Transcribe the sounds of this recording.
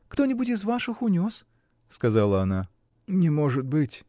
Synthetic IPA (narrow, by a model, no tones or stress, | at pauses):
kt̪o̞nʲɪbʊtʲɪzvaʂɨxʊnʲo̞s | skɐzalˠəɐna | nʲɪmo̞ʐɨt̪̚bɨtʲ